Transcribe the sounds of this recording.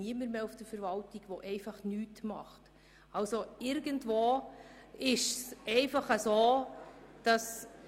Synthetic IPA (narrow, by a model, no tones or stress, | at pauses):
niəməɾmeːufd̥əɾfəɾvɑltiɡ̥ʋoʔɛɪfɑχnyːtmɑ̰χt | ɑlsoɪɾɡəntvoː | ɪʃsɛɪfɑχəsoːd̥ɑs